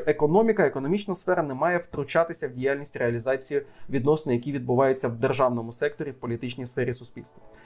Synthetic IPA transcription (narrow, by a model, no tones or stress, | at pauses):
ekɔnɔmʲikɐekɔnɔmʲit͡ʃnɐsfɛɾɐnɛmɑjɛwt̪ɾʊt͡ʃɑt̪ɪsʲɐwdʲijalʲnʲisʲtʲreɐlʲizɑt͡sʲijʊʋʲid̪nɔsnɪjɐkʲiʋʲid̪̚bʊʋɑjʊt͡sʲːɐwd̪erʒɑwnɔmʊsɛk̚t̪ɔɾʲiwpɔlʲit̪ɪt͡ʃnʲisfɛɾʲisʊspʲilʲst̪ʋɐ